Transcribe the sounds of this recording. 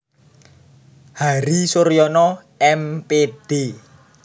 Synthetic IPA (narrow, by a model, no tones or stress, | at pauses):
haɾisoɾijɔnɔ | ɛmped̥e